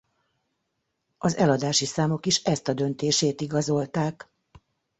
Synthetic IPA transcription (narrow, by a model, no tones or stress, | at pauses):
ɒzɛlɒd̪aːʃisaːmo̞kiʃɛst̪ɒd̪ø̞nt̪eːʃeːt̪iɡɒzo̞lt̪aːk